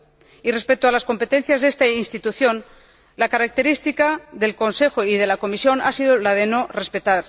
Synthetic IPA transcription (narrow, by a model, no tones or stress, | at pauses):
ire̞spe̞k̚t̪oalasko̞mpe̞t̪e̞n̟θjazðe̞st̪ainst̪it̪uθjo̞n | lakaɾak̚t̪e̞ɾist̪ikaðe̞lko̞nse̞xo̞ið̞e̞lako̞misjo̞nasið̞olað̞e̞no̞re̞spe̞t̪aɾ